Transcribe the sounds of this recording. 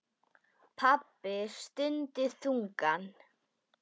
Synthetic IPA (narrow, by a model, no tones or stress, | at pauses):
pʰapːɪst̪ʏnt̪ɪθuŋkan